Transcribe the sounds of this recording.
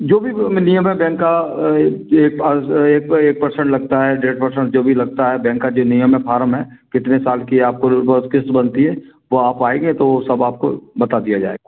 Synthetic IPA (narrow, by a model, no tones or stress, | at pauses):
d͡ʒoːbʱinijəmɦɛ̃bɛ̃ːŋkːa | eːk̚eːk̚eːk̚pɐɾsə̃ɳʈlɐɡ̚t̪aɦɛɖeːʈ̚pɐɾsə̃ɳʈ̚d͡ʒoːbʱilɐɡ̚t̪aɦɛbɛ̃ːŋkːad͡ʒoːnijəmɦɛ̃fʰaːɾəmɦɛːkɪt̪nesaːlkiaːp̚kobət̪kɪst̪bɐnt̪iɦɛːʋoaːpaːeɡẽt̪oʋosɐbaːp̚ko̰bɐt̪ad̪ijad͡ʒa̰ːḛɡaː